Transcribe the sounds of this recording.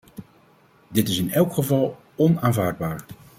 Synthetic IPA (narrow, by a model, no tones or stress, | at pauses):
dɪtɪsɪnɛlˠkχəvɑlˠ | ɔnaːnvaːɹd̚baːɹ